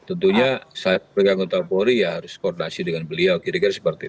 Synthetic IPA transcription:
t̪ənt̪uɲasat̪̚pɾekaŋɡot̪apoɾijaɦaɾʊskɔrdinasidəŋanbəliawkiɾikirsəpərt̪i

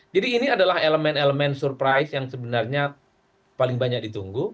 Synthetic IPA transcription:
d͡ʒadiːniadalaheləmɛneləmɛnsurpɾajsjaŋsəbənarɲa | palɪŋbaɲak̚dit̪uŋɡu

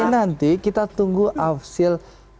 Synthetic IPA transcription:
nant̪ikit̪at̪uŋɡuʔafsil

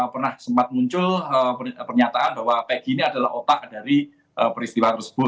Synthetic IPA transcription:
pərnahsəmpat̪̚muɲt͡ʃʊləpərɲat̪aʔanbaɦwapeɡiːniadala̰hot̪aʔdaɾi | ʔəpəɾist̪iwat̪ərsə̥b̥ʊt̪̚

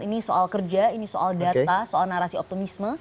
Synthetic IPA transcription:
inisoʔalkərd͡ʒainisoʔaldat̪asoalnaɾasiɔp̚t̪imismə

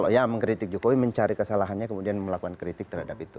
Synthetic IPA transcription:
lojaməŋkɾit̪ɪk̚d͡ʒokowiməɲt͡ʃaɾikəsalaɦanɲakəmudianməlakuankɾit̪ɪk̚t̪əɾrhadapit̪ṵ

